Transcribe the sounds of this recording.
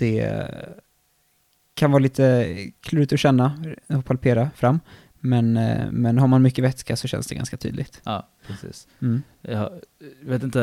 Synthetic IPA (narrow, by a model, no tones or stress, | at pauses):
d̪̥ɛ̰ | kʰanvɑːɾliːt̪ʰəkʰlʉːɾɪt̪ɔɕɛnːaɔpʰalpʰeːɾafɾamː | mɛnmɛnɦaɾmanmʏkːəvɛt̪skasɔɕɛ̰nsd̪ɛ̰ɡa̰nskat̪ʰy̰ːd̪lɪɡt̪ːpʰɾɛsḭːs̩ | ɑjveːt̪ɪnt̪ə